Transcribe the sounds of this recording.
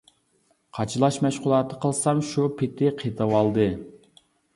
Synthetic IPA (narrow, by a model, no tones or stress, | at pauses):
qʰɑt͡ʃʰɨlˠɑʃmɛʃqʊlˠɑt̪ʰə̥qəlˠsɑmʃupʰɪt̪ʰɪqʰet̪ʰɑwɑlˠd̪ɨ